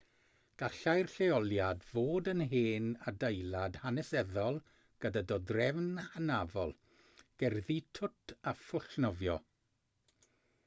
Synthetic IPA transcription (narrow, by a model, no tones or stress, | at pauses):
ɡ̥aɬajrɬeɔlˠjadvoːdənɦeːnadejlˠad̥hanɛsɛðɔlˠ | ɡ̥ədadɔdrɛvnahanavɔlˠ | ɡ̥ɛrðitʰʊtʰafʊɬnɔvjɔ